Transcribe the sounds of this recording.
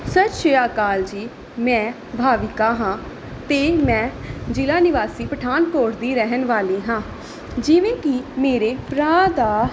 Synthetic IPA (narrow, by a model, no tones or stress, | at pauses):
sətʃeːaːkaːld͡ʒiː | mɛ̃ː | bʱaːʋɪkaːɦãː | t̪eːmɛ̃ːd͡ʒɪlaːnɪʋaːsiːpəʈʰaːnkoːʈd̪iːɾɛɦənʋaːliːɦãː | d͡ʒɪʋẽːkɪmeːɾeːpɾaːd̪aː